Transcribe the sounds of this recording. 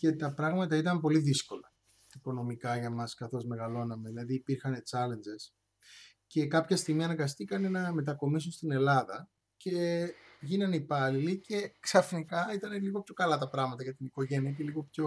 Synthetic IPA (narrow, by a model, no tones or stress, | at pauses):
ce̞t̪ɐpɾɐɣmɐt̪ɐit̪ɐmpo̞liðisko̞lɐ | iko̞no̞mikɐʝɐmɐskɐθo̞zme̞ɣɐlo̞nɐme̞ðilɐðiːpiɾxɐne̞t͡sɐle̞nd͡ʒe̞s | ce̞kɐpçɐst̪iɣmiɐnɐɡɐst̪ikɐne̞nɐme̞t̪̬ɐko̞mis̬unst̪ine̞lɐðɐ | ce̞ʝinɐnipɐlilice̞ksɐfnikɐit̪ɐneliɣo̞pço̞kɐlɐt̪ɐpɾɐɣmɐt̪ɐʝɐt̪iniko̞ʝe̞niɐceliɣo̞pço